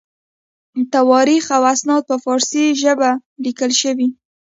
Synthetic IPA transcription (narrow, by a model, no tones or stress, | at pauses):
t̪awɑɾixawasnɑd̪̚pəfɑɾsiʒəbalikəlʃəwi